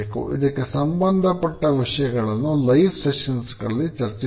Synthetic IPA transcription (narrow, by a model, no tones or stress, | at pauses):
eːkṵʔḭd̪ɐkːesɐmbɐnd̪ʱɐpɐʈːɐʋiʂɐjɐɡɐɭɐnːulɐjfseʂɐnsɡɐɭɐlːit͡ʃɐɾt͡ʃi